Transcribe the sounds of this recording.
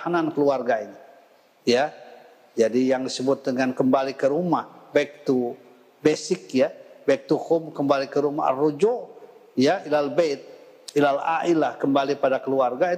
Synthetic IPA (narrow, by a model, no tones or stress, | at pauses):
hanankəluarɡaini | ja | d͡ʒadijaŋdisəbʊt̪̚dəŋankəmbalikəɾumahbaɪk̚t̪u | besɪk̚jabaik̚t̪uhʊmkəmbalikəɾuma̰ɦrod͡ʒoʔ | jailalbet̪̚ | ilala̰ʔilahkəmbalipadakəluarɡai